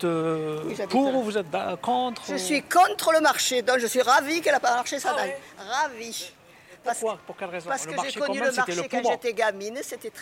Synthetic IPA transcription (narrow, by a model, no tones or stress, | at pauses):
vuzɛt̪puʁuvuzɛt̪̚d̪akɔ̃t̪χʒəsɥikɔ̃t̪χələmaʁʃed̪ɔ̃kʒəsɥiʁavikɛlapamaʁʃesad̪ajʁavi | paʁspuʁkɛlʁezpaʁsəkəʒekɔnyləmaʁʃekʒet̪ɛɡaminset̪ɛt̪χ